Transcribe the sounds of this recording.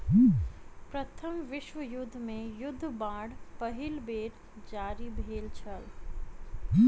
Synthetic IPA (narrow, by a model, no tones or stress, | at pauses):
pɾət̪ʰəmʋɪʃʋəjʊd̪ʱːmẽjʊd̪ʱːbãːɽpəɦɪlbeːɾ | d͡ʒaːɾibʱeːlt͡ʃʰəl